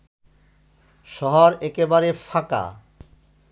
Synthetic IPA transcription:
ʃɔɦoɾɛkebaɾefʰaka̰

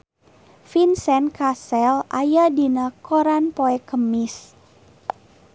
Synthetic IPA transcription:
finsɛnkasɛlajadinəkoɾanpoɛkəmɪs

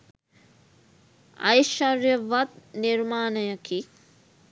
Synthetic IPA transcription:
ɐ̰jʃɐrjəʋat̪̚niɾmaːnəjəkʰi

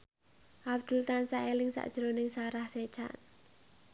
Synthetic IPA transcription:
ʔabd̪̥ult̪ansaelɪŋsa̰ʔd̥ʒ̥ɾonɪŋsaɾahse̥t͡ʃa̰n

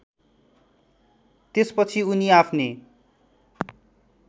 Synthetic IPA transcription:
t̪espʌt͡sʰiuniapʰne

